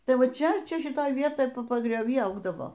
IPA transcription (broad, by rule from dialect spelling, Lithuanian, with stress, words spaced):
ˈtɐɪ ˈʋɐ ˈt͡ʃʲɛ ˈt͡ʃʲɛ ʃʲɪˈtoːj ˈʋʲiɛtoːj pɐɡrʲoːˈʋʲiː ˈɐʊɡdɐʋoː